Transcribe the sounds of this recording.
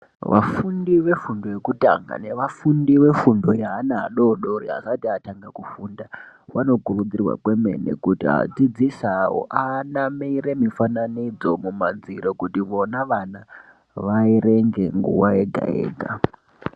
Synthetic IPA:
ʋa̰fundiʋe̞fundo̞jekuta̰ŋɡa̰ne̞ʋafundiʋe̞fundo̞jaɦanaɦaɗo̞ɗo̞ɾiɦa̰satiataŋɡakufundawano̞kurud͡zirwa̰kweme̞̰nḛkutiɦa̰d͡zid͡zisawo̰ʔanameiɾemifananid͡zo̞mumand͡ziɾokutiʋo̞naʋana | ʋaiɾe̞ŋɡe̞ŋɡṵwae̞ɡʱa̰ḛːɡʱa

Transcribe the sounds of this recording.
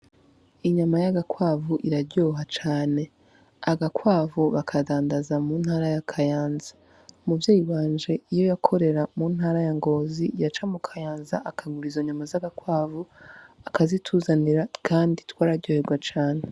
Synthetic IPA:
iɲamajaɡakwaːvuʔiɾaɾɟoːɦat͡ʃaːne̞ | aɡakwaːvuβakʰadaːndazamuːnhaːɾajakʰajaːnzḁ | muvjeːjiβaːnd͡ʒe̞ijo̞jakʰo̞ɾe̞ɾamuːn̥haːɾajaŋɡo̞ːzijat͡ʃamukʰajaːnzaʔakaŋuɾizo̞ɲumazaɡakwaːvuakazitʰuːzaniɾakʰaːnditwaːɾaɾɟo̞ːhe̞ɾɡwat͡ʃaːne̞

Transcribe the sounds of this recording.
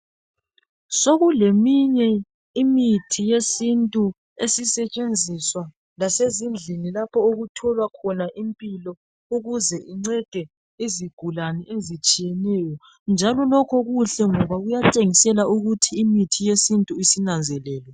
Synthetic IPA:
soɣulemiɲɛ | imitʰijesintʼu | esisɛt͡ʃʼend͡zʱiswa | lasezind͡ɮʱinilapʰɔoɣutʰɔlwakʰɔnaʔimpʼilɔ | uɣuzɛʔiŋ͡ǀɛɡ̥ʱɛ | iziɡ̥ʱulanɛʔezit͡ʃʼijɛnɛjɔ | nd͡ʒʱalɔlɔkʰɔɣuɬɛŋɔβaɣujatʼeŋisɛlauɣutʰiːmitʰijesintʼuisinand͡zʱɛlɛːlwɛ

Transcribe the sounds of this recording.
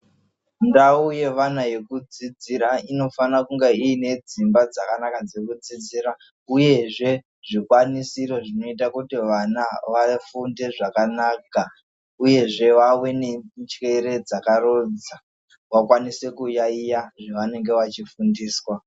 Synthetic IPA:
ndauje̞ʋanaje̞kud͡zid͡ziɾaino̞fanakuŋɡeiːne̞d͡zimbad͡zakanakad͡zekud͡zid͡ziːɾa | uje̞ʐe̞ | ʐikwanisiɾo̞ʐino̞itakutiʋanaʋafunde̞ʐakanaka | uje̞ʐe̞ʋawe̞ne̞t͡ʃe̞ɾe̞d͡zakaɾod͡za | wakwanise̞kujaijaʐeʋane̞ŋɡe̞ʋat͡ʃifundiːswa

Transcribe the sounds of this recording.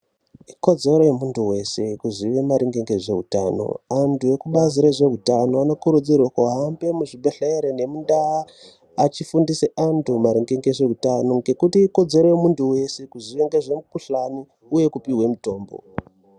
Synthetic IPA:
iko̞d͡ze̞ɾo̞jemuntʰuwe̞se̞kuziʋemaɾiŋɡeŋɡe̞ʐe̞ɦuta̰no̰antʰuje̞kuɓaziɾeʐe̞ɦutano̞anokuɾud͡zirwakoɦambe̞muʐibʱeɬeeɾene̞mundaaː | t͡ʃifundise̞antʰumaɾiŋɡeŋɡe̞ʐe̞utano̞ŋɡe̞kutiːko̞d͡ze̞ɾo̞jemuntuwe̞se̞kuziʋe̞ŋɡeʐe̞mukuɬani | uje̞kupiɦwe̞muto̞ːmbo̞̰

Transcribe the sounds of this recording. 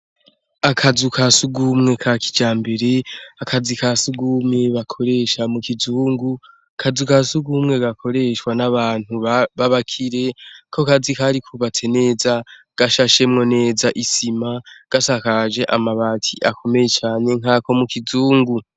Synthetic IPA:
akʰazukʰasuɡumŋe̞kʰakʰi̥d͡ʒaːmbe̞ɾe̞akʰazikasuɡumŋe̞βakʰo̞ɾe̞ʃamukizuːŋɡu | kʰazukasuɡumŋe̞ɡakʰo̞ɾe̞ʃwanaβaːn̥huβaβakʰiɾe̞kʰo̞kazikaɾikʰuβat͡se̞ne̞ːza | ɡ̥aʃaʃe̞mŋo̞ne̞ːzaʔisimaɡ̥asakaʒe̞ʔamaβatʰiʔakʰo̞me̞je̞t͡ʃaːɲe̞ŋako̞mukizuːŋɡu

